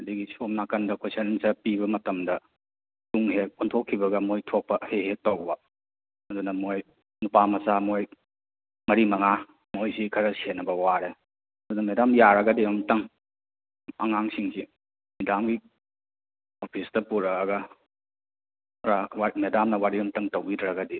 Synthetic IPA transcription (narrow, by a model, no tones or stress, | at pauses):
ɐdiɡisomnakɐndɐkʰesɐnsɐpibɐmɐtɐmdɐ | tuŋɦek̚ontʰokʰːibɐɡɐmojtʰok̚pɐheɦek̚tɐwbɐ | ɐdunɐmoj | nupamɐsamoj | mɐɾimɐŋa | mojsikʰɐɾɐsenːɐbɐwaɾe | ɐdunɐmedamjaɾɐɡɐdiɐmtɐŋ | ɐ̰ŋaŋsiŋsi | midamɡi | opʰistɐpuɾɐːɡɐ | ɾamedamnɐwaɾiumtɐŋtɐwbidɾɐɡɐdi